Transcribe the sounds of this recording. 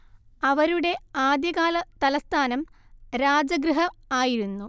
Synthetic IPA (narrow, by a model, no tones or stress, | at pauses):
ɐʋɐɾuɽe̞aːd̪jɐɣaːlɐt̪ɐlɐst̪ʰaːnɐmɾaːd͡ʑɐɡɾɨɦɐaːjiɾunːu